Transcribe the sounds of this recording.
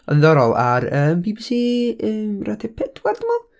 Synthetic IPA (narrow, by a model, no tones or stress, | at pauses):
ɔ̰nðɔɾɔlˠaɾəːmbibisiːəːmratʰɛpʰɛd̥ʰward̪əmalˠ